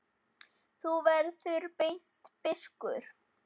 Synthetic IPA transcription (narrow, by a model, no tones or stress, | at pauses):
θuvɛɾðθʏɾpejn̥t̪pɪskʏɾ̥